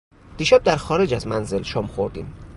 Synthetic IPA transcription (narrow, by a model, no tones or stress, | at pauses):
d̪̥iːʃæb̚d̪æɾxɒːɾe̞d͡ʒæzmænze̞lʃɒːmxoɾd̪ḭːm